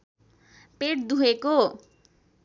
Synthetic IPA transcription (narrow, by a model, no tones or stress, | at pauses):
peʈ̚d̪uɦeko